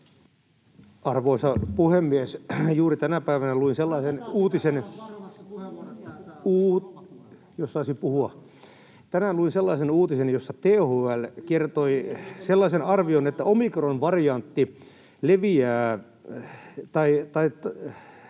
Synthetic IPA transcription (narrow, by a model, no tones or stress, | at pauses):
ɑrʋoisɑpuhemːiesjuːrit̪ænæpæiʋænæluinselːɑisenuːt̪isen | uː | josːɑisipuhuɑ | t̪ænænluinselːɑisenuːt̪isenjosːɑt̪eːhoælkert̪oiselːɑisenɑrʋionet̪ːæomikronʋɑrijɑnt̪ːi | leʋiæː | t̪ɑit̪ɑi